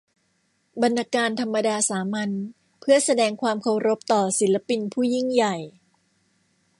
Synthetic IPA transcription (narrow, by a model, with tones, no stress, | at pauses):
ba˧nːaː˧kaː˧nt̪ʰa˧mːa˧daː˧saː˩˦ma˧n | pʰɯ˥˩ɐsa˧dɛː˧ŋkʰwaː˧mkʰa˧wɾo˦˥p̚t̪ɔː˨˩si˩˦la˧pi˧npʰuː˥˩ji˥˩ŋja˨˩j